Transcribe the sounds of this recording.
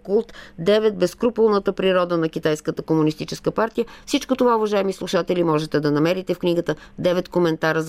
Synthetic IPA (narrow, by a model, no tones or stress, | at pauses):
kulˠt̪d̪ɛvɛt̪̚bɛskɾupulˠnət̪əpɾiɾɔd̪ənɐk̟ʲit̪ajskət̪əkomunist̪it͡ʃɛskəpaɾt̪ijəfsit͡ʃkot̪ovauvɐʒaɛmislˠuʃat̪ɛlʲimɔʒɛt̪ɛd̪ɐnɐmɛɾit̪ɛfkniɡət̪əd̪ɛvɛt̪komɛnt̪aɾəz